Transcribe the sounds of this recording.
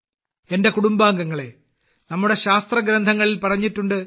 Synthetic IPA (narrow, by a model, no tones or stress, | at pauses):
e̞nde̞kuɽumbaːŋɡɐŋːɐɭe̞ | nɐmːuɽe̞ɕaːst̪rɐɡɾɐnd̪ʱɐŋːɐɭilpɐrɐɲːitːuɳɖɨ